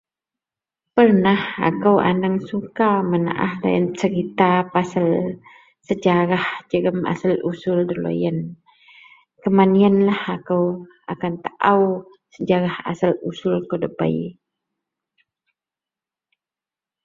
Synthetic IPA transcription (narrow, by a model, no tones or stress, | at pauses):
pərnaha̰kəwʔa̰naŋsukaməna̰ʔa̰hlo̰jənt͡ʃəɾit̪apasəl | səd͡ʒaɾahd͡ʒəɡəmʔa̰səlusʊldəlo̰jən | kəmaniənlahakəw | akant̪aʔaw | səd͡ʒaɾaha̰səlusʊlkədəba̰i